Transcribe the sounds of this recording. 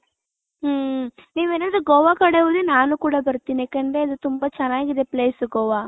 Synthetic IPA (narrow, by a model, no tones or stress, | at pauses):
niːʋeːnɐnd̪ɾuɡɔʋakɐɽeʋud̪enaːnukuːɽabɐɾt̪iːneːkɐɳɖɾeɐd̪ut̪umbat͡ʃɛnaːɡid̪epleːsuɡɔːʋaː